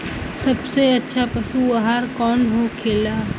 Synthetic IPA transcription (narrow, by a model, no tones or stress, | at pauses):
sɐbseɐtːʃʰapɐsuaɦaːɾkɔːnɦokʰeːlaː